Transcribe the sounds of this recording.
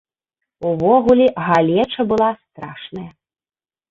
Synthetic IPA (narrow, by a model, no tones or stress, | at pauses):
uvɔɣulʲiɣalʲɛt͡ʂɐbɨlˠast̪ɾaʂnɐjɐ